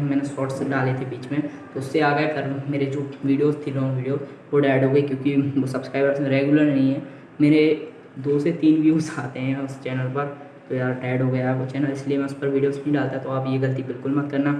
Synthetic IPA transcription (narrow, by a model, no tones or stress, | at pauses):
mɛːnesɔːʈsɖaːlet̪ʰebiːt͡ʃmẽt̪oʊsːeaːɡakɐɾmeːɾed͡ʒoːʋiːɖijoːzt̪ʰilɔ̃ːŋʋiːɖijoːz | ʋoʈɛːɖɦoːɡɐikjõːkiʋosɐbskɾaːɪbɾəsmẽɾeːɡʊləɾnɐɦĩɦɛ̃ː | meːɾe | d̪oːset̪iːnʋjuːzaːt̪eɦɛ̃ʊst͡ʃɛːnəlpɐɾ | t̪ojaːd̪ʈɛːɖɦoːɡɐjaɦkot͡ʃɦɛːnalɪsliemɛ̃ʊspɐɾʋiːɖijoːsĩɖaːlt̪aɦɛt̪oaːpjeɡɐlt̪ibɪlkʊlmɐt̪kɐɾnaː